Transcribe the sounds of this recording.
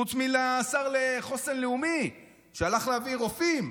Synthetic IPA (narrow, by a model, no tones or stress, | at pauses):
ut͡smilaːsaʁleχo̞senleumi | ʃealaχleaviʁo̞fim